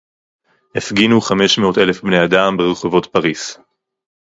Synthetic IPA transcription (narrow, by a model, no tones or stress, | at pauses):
hefɡinuχame̞ʃmeo̞t̪e̞le̞fbne̞jadambeʁeχovo̞tpaʁis